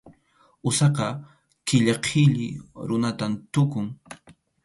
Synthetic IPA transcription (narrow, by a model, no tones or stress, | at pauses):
ʊsɑqɑ | kɪʎɑqʰɪʎɪ̰ɾʊnat̪amt̪ʊkʊŋ